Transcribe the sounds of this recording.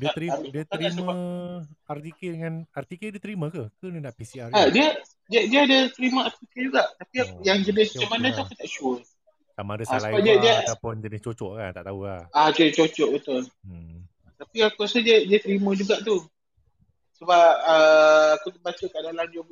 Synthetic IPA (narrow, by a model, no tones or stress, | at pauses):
diat̪ɾiadiət̪ɾasəba | art̪ikedəŋanart̪ikediət̪əɾimə̃kəkənənaʔpisiaadiə | diadiəadat̪əɾimãart̪iked͡ʒuɡaʔt̪apiajaŋd͡ʒəbɪsmat͡ʃamanãt̪uakut̪aʔt͡ʃuə | samãdəsalabadiədiəapʊnd͡ʒənɪt͡ʃot͡ʃɔʔka̰nt̪aʔt̪aula̰had͡ʒoʔt͡ʃot͡ʃɔʔbət̪ʊl | ə | t̪apiakuasadədiət̪əɾimãd͡ʒuɡaʔt̪u | səbap̚əakut̪əbat͡ʃəkəadalamd͡ʒo